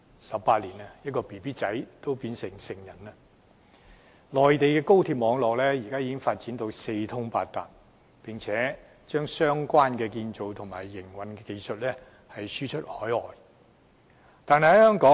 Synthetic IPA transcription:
sɐ˨p̚paː˧t̚liː˨˩nɐ˧jɐ˥t̚kɔː˧piː˨piː˥t͡sɐ˨˥jt̪o˥wpiː˧nsɪ˨˩ŋsɪ˨˩ŋjɐ˨˩nɐ˧ | lɔː˨jt̪e˨jkɛː˧ko˥wt̪ʰiː˧p̚mɔː˨˧ŋlɔː˨k̚lɛː˥jiː˨˩kaː˥jiː˧˥kɪ˥ŋfaː˧t̚t͡siː˨˥nt̪o˧wse˧jt̪ʰʊ˥ŋpa̰ː˧t̚t̪aː˨˩p̚ | pɪ˨ŋt͡sʰɛː˨˥ | t͡ʃœː˥ŋsœː˥ŋkʷaː˥nkɛː˧kiː˧nt͡ʃo˨wt̪ʰʊ˨˩ŋmaː˨˩jːɪ˨˩ŋwɐ˨˩nkɛː˧ke˧jsɵ˨t̚lɛ˥ | hɐ˨jsyː˥t͡ʃʰɵ˥t̚hɔː˨˥jɔː˨j | t̪aː˨˧nɦɐ˨jhɐ˧˥hœː˥ŋkɔː˨˥

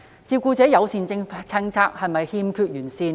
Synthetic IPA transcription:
t͡siː˧w̚kuː˧t͡sɛː˨˥jɐ˨˧wsiː˨˧nt͡sɪ˧ŋt͡sʰɐ˥ŋt͡sʰaː˥k̚hɐ˨jmɐ˨jhiː˥mkʰyː˧t̚jyː˨˩nsiː˧n

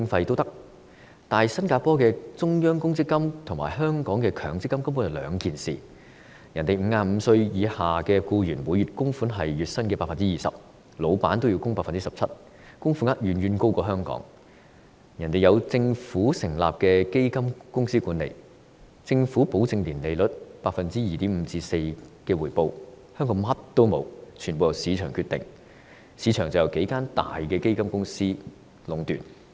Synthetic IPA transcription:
ɪ˧ŋfɐ˧jt̪o˥wt̪ɐ˥k̚ | t̪aː˨jsɐ˥nkaː˧pɔː˥kɛː˧t͡sʊ˥ŋjœː˥ŋkʊ˥ŋt͡sɪ˥kːɐ˥mt̪ʰʊ˨˩ŋma̰ː˨˩ɦœː˥ŋkɔː˨˥ŋkɛː˧kʰœː˨˩ŋt͡sɪ˥kːɐ˥mkɐ˥mpu˧˥njɐ˨wlœː˨˧ŋkiː˨nsḭː˨˩ | jɐ˨˩nt̪e˨˩jm̩˨˧ŋaː˧m̩˨˧sɵ˧ɥjiː˨˧haː˨kɛː˧kuː˧jyː˨˩nwu˨˥jɥy˨t̚kʊ˥ŋfuː˨˥nɦɐ˨jjyː˨t̚sɐ˥nkɛ˧paː˧kfɐ˨nt͡si˥jiː˨˩sɐ̰˨p̚ | lo˨˧wpa̰ː˨˥nt̪o˥wji˨˧wkʊ˥ŋpaː˧˥fɐ˨nt͡siː˥sɐ˨p̚t͡sʰɐ˥t̚ | kʊ˥ŋfuː˨˥ŋaː˥t̚jɥyː˨njyː˧nko˥wkɔː˧ɦœː˥ŋkɔ̰ː˨˥ŋ | jɐ˨˩nt̪e˨jɐ˨˧wt͡sɪ˧ŋfuː˨˥sɪ˨˩ŋla̰ː˨p̚kɛː˧ke˥jkɐ˥mkʊ˥ŋsiː˥kuː˨˥nlḛ˨˩j | t͡sɪ˧ŋfuː˨˥po˨˥wt͡sɪ˧ŋliː˨˩nle˨jlɵ˨˥t̚paː˧k̚fɐ˨nt͡siː˥jiː˨t̪iː˨˥m̩ː˨˧t͡siː˧se˧jkɛː˧wuː˨˩jpo˧w | hœː˥ŋkɔː˨˥ŋɦɐ˥t̚t̪o˥wmo̰˨˧wt͡ʃʰy˨˩npo˨wjɐ˨˩wsiː˨˧t͡ʃʰœː˨˩ŋkʰyː˧t̪ɪ̰˨ŋ | siː˨˧t͡ʃʰœː˨˩ŋt͡sɐ˨wjɐ˨˩wke˨˥jkaː˥nt̪a̰ː˨jkɛː˧ke˥jkɐ˥mkʊ˥ŋsiː˥ | lʊ˨˥ŋt̪yː˨˩n

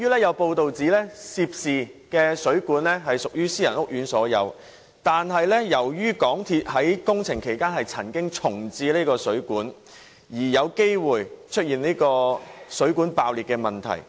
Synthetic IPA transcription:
jyː˥lɛː˥jɐ˨˧wpo˧wt̪o˨wt͡siː˨˥lɛ˥siː˧p̚siː˨kɛː˧sɵ˨˥ɥkuː˨˥nlɛː˥ɦɐ˨jsʊ˨k̚jyː˥siː˥jɐ̰˨˩nʊ˥k̚jyː˨˥nsɔː˨˥jɐ˨˧w | t̪aː˨nɦɐ˨jlɛː˥jɐ˨˩wjyː˥kɔː˨˥ŋt̪ʰi˧t̚hɐ˨˥jkʊ˥ŋt͡sʰɪ˨˩ŋkʰe˨˩jkaː˥nhɐ˨jt͡sʰɐ˨˩nkɪ˥ŋt͡sʰʊ˨˩ŋt͡siː˧liː˥kɔː˧sɵ˨˥ɥkuː˨˥n | jiː˨˩jɐ˨˧wke˥jwuː˨jt͡ʃʰt̚jiː˨niː˥jkɔː˧sɵ˨˥kuː˨˥npaː˨˧wliː˨t̚kɛː˧mɐ˨˩nt̪ʰɐ̰˨˩j

